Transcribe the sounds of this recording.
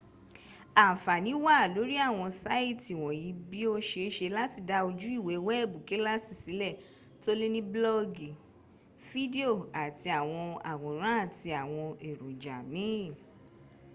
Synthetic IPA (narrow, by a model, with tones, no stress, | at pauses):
a˨fa˨nĩ˨˦wa˦˨lo˨˦ɾi˦a˦˨w̃ɔ̃˧sa˦i˦˨ti˨w̃ɔ̃˨jĩ˨˦bi˦o˧ʃe˧˦ʃe˧la˦ti˦˨da˧o˧d͡ʒu˦i˦˨we˨˦wɛ˦ɛ˦˨bu˨ke˨˦la˦si˦˨si˨˦lɛ˦˨ | to˦le˦nĩ˦blɔ˦ɡi˨ | fi˦di˦o˦˨a˨ti˧a˨w̃ɔ̃˧a˨wɔ̃˨ɾ̃ã˦a˦˨ti˧a˨w̃ɔ̃˧e˨ɾu˨d͡ʒa̰˨mĩ˨˦˨